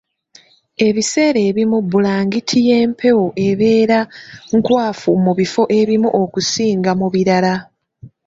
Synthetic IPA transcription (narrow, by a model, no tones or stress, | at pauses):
e̞βise̞ːɾe̞ːβimubulaːŋɡitʰije̞ːmpʰe̞woʔe̞βe̞ːɾaŋkwaːfumuβifo̞ʔe̞βimuʔokusiːŋɡamuβiɾala